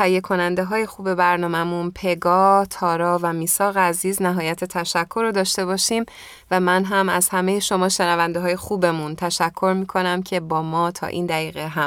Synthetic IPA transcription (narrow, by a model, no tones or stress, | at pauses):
t̪ʰæijːe̞kʰo̞nænd̪eɦɒːje̞xuːbe̞bæɾnɒːmæmunpʰe̞ɡɒːt̪ʰɒːɾɒːvæmiːsɒːɣæziːznæɦɒːjæt̪ʰet̪ʰæʃækʰːo̞ɾod̪ɒːʃt̪e̞bɒːʃiːm | væmænɦæmæz̥hæmejeʃo̞mɒːʃenævænd̪eɦɒːjexuːbemunt̪ʰæʃækʰːo̞ɾmiːkʰo̞næmcʰe̞bɒːmɒːt̪ʰɒ̰ːʔḭːnd̪æiːɣeɦæm